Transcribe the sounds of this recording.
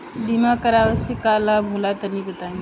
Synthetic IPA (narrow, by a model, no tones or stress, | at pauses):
d̪imakəɾaʋəsikalabʱulat̪ənibət̪aĩ